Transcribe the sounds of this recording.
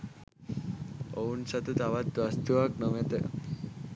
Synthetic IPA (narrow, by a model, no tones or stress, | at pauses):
ownsat̪ut̪aʋat̪̚ʋast̪uak̚nɔmet̪e